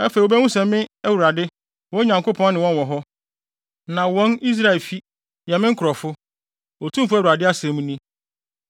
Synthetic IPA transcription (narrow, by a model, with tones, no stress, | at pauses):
ɛ˦fe˨o˨bɛ˦wʊ̃˦sɛ̃˨mː˦ɪ̃˦æ˦wu˨ɾa˨dɪ˦ | wɔ̃˦ɲã˨ŋko˦pʰɔ̃˦n˦nɪ̃˨wɔ̃˦n˨wɔ̃˨ɦɔ˦ | nã˨wɔ̃˦ni˦s̬ɾa˦ɛ˨lfi˦ | jɛ˨mɪ̃˦ŋ̩˦kʰʊ˨ɾɔ˨fʊ˦ | ɔ˨tʰũ˦m˦fʊ˦æ˦˨u˨a˨dɪ˦a˦sɛ̃˨mũ˦nĩ˦